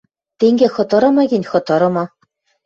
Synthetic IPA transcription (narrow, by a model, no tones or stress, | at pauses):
t̪eŋɡʲexɤ̆t̪ɤ̆ɾɤ̆mɤ̆ɡʲenʲxɤ̆t̪ɤ̆ɾɤ̆mɑ̆